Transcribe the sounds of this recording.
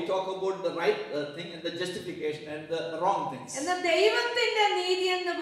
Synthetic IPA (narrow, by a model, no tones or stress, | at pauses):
ʈɔːkɐbaʊʈ̚d̪əɾaɪʈt̪ʰɪ̃ŋɛ̃ɳɖd̪əd͡ʒɐsʈɪfikeːʃə̃nɛ̃ɳɖd̪əɾɔ̃ːŋt̪ʰɪ̰̃ŋsɛnd̪ɐd̪ejʋɐt̪ːindɐniːðijend̪ɐʋ